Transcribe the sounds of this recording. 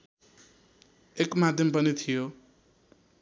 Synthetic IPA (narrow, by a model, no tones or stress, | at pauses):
ekmad̪ʱjʌmpʌnit̪ʰijo